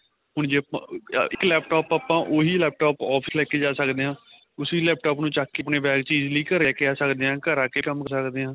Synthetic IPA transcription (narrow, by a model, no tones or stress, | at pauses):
ɦʊɳd͡ʒeːəpãɪklɛːp̚ʈɔːpaːpãːʔoːɦiːlɛːp̚ʈoːpɔːpʰəslɛːkeːd͡ʒaːsəkd̪eːɦãː | ʊsiːlɛːp̚ʈɔːpnũːt͡ʃaːkːeːpneːbɛːɡt͡ʃiːd͡ʒliːkəɾɛːkeaːsəkd̪eːãːkəɾãːkeːkəmksəkd̪eːãː